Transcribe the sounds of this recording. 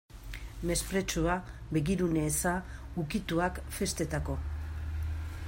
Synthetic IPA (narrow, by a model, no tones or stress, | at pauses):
me̞spɾe̞t͡ʃuabe̞ɣiɾune̞ːsaukit̪uakfe̞st̪e̞t̪ako̞